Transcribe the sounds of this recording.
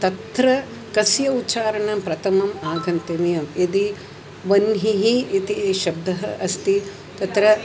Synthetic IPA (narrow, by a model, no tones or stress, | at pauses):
t̪ɐt̪ɾɐ | kɐsjɐutːt͡ʃaːɾɐɳɐmpɾɐt̪ʰɐmɐmaːɡʱɐnt̪ɐʋijɐmid̪i | ʋɐnɦiɦiːt̪iʃɐb̚d̪ʱɐɦɐʔɐst̪i | t̪ɐt̪ɾɐ